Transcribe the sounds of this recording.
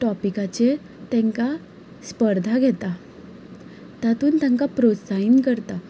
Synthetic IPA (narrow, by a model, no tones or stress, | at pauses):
ʈɔpikat͡ɕe | t̪ɛ̃ŋka | spəɾd̪ʱaɡʱɛt̪a | t̪jat̪uːnt̪jãŋkapɾod͡zsainkəɾt̪a